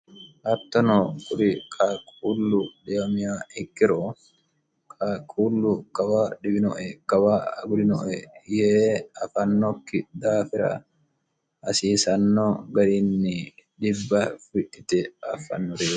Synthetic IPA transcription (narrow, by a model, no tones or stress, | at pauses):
ʔɐt̪ːɔnoːkʼʊɾɪkʼaːkʼuːlːʊd̪eɐmɪjaːɪkːɪɾoː | kʼaːkʼuːlːʊkʼɐwaːᶑɪbɪnɔʔɛkɐwaːɐɡʊd̪ɪnɔʔɛjeːɐfɐnːɔkːɪd̪aːfɪɾɐ̰ | ɐsiːsɐnːoːɡɐɾɪnːɪd̪ɪbːɐfɪᶑɪt̪ɛɐfɐ̰nːɔɾeː